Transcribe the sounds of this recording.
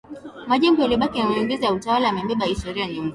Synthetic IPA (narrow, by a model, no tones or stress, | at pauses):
maʄɛŋɡɔjaliɓakinamuiŋɡɛzijautawalaamɛmɛɓahistɔɾiaɲumba